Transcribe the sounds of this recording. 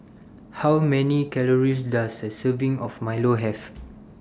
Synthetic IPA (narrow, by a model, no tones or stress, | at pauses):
hawmɛ̃nikɛləɹis̬dasdəsəvĩŋɔfmajloɦɛf